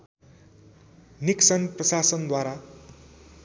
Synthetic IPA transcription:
niksʌnprʌsasʌnd̪waɾa

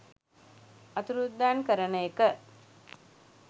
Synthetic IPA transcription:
ɐt̪uɾud̪ːaːnkəɾənəjekə

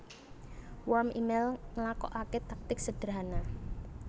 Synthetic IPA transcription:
wɔrmḭmelŋəlakɔ̰ʔaket̪ak̚t̪ɪk̚səd̥əɾana

